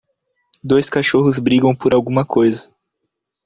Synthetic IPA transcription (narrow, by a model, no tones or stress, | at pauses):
d̪ojskaʃoɦʊzbɾiɡɐ̃w̃poɾawɡũmɐkojzɐ